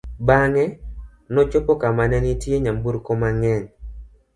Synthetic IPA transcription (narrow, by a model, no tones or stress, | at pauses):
baŋɛ | nɔt͡ʃopɔkamanɛnitjeɲambuɾkomaŋɛɲ